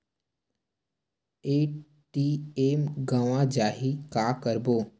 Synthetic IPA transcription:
eː | ʈiemɡaːʋãd͡ʒaːɦikaːkəɾboː

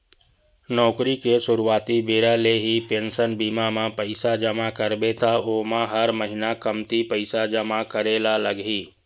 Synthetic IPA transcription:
nɔːkɾikesʊɾuaːt̪ibeːɾaleɦipeːnsənbiːmamãpəɪsad͡ʒəmakəɾbet̪ʰaoːmãɦəɾməɦɪnakəmt̪ʰipəɪsad͡ʒəmakəɾeːlaləɡɦiː

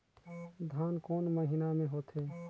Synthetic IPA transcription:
d̪ʱankoːnməɦinamẽɦot̪ʰe

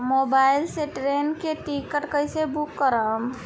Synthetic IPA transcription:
mobajlseʈɾenkeʈikəʈkəjsebukːəɾəm

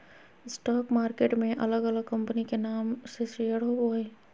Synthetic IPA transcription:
ɪsʈɔːkmaːɾkeːʈmẽʔɐləɡɐləɡ̚kɐ̃mpənikenaːmsesijəɽɦoboːẽ

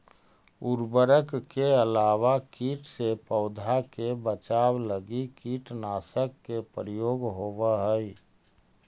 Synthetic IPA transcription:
uɾbəɾəkkːeəlaːwakiːʈsepəʊd̪ʱakebət͡ʃaːwləɡikiːʈnaːsəkːepɾijoːɡɦoʋəɦəi

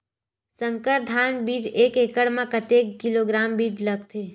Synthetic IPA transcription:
sə̃ŋkəɾd̪ʱaːnbiːd͡ʒeːkeːkəɽmãkət̪eːkːɪloɡɾaːmbiːd͡ʒlɐɡt̪ʰeː

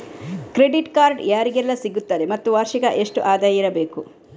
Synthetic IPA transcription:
kɾeɖiʈkaːɾɖjaːɾiɡɛlːɐsiɡut̪ːaːɾemɐt̪ːuʋaːɾʃikɐʔe̞ʂʈuʔaːd̪aːjiɾɐbe̞ːku

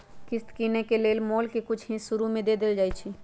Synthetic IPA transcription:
kɪst̪kinekeleːlmoːlkekʊt͡ʃʰɦĩsʊɾumẽd̪eːd̪eld͡ʒaːjt͡ʃʰi

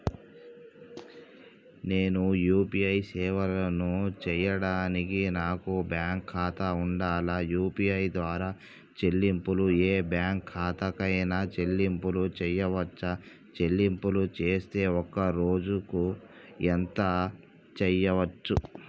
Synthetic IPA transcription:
ne̞ːnujuːpiɐjsɛːʋɐlɐnut͡ʃɛjɐɽaːnikinaːkubjaːŋkʰːaːt̪ɐuɳɖaːlajuːpiɐjd̪ʋaːɾaː | t͡ʃe̞lːimpulueːbjaːŋkʰːaːt̪ɐkɐjnɐt͡ʃe̞lːimpulut͡ʃɛjɐʋɐt͡ʃːɐ | t͡ʃelːimpulut͡ʃe̞ːst̪e̞ːɔkːɐɾo̞ːd͡ʒuku | ent̪ɐ | t͡ʃɛjɐʋɐt͡ʃːu

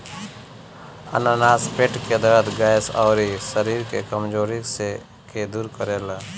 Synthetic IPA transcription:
ə̰nanaːspeʈked̪əɾəd̪ɡajsa̰ːɾisəɾiːɾkḛkəmd͡ʒoːɾikse | ked̪uːɾkəɾeːla

